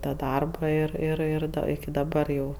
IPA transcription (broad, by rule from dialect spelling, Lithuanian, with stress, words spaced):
tɐ ˈdɐrbɐ ˈɪr ɪr ˈɪr dɐ ɪkʲɪ dɐˈbɐr jɛʊ